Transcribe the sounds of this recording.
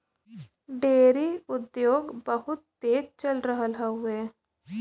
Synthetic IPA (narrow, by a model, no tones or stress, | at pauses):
ɖeːɾiʊd̪joːɡbəɦʊt̪ːeːd͡ʒt͡ʃəlɾəɦəlɦaɦʊeː